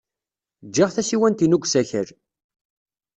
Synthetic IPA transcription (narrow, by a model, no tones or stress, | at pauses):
d͡ʒːiʁθæsiwænt̪inuɡʷsæçə̰ɾ